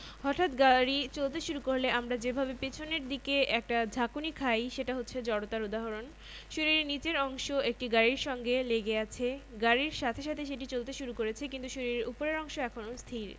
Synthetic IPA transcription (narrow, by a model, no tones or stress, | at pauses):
ɦɔʈʰat̪ɡaɾit͡ɕolt̪eʃuɾukoɾleʔamɾad͡ʑebʱabepet͡ɕʰoneɾd̪ikeʔɛk̚ʈad͡ʑʱakunikʰajʃeʈaɦotːɕʰed͡ʑɔɽot̪aɾud̪aɦoɾon | ʃoɾiɾnit͡ɕeɾɔŋʃoek̚ʈiɡaɾiɾʃɔŋɡeleɡeat͡ɕʰeɡaɾiɾʃat̪ʰeʃat̪ʰeʃ̬eʈ̬it͡ɕolt̪eʃuɾukoɾet͡ɕʰikint̪uʃoɾiɾupoɾeɾɔŋʃoɛkʰonost̪ʰiɾ